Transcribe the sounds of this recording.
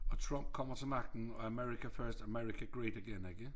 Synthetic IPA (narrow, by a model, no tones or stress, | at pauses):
ətʰɹ̥ʌ̃mp̚kʰɒ̃mə̃tʰəmakn̩əəmɛɹɪkəfɜːˑstəmɛɹɪkəɡ̥ɹeɪɾəɡɛ̃nɛɡɪ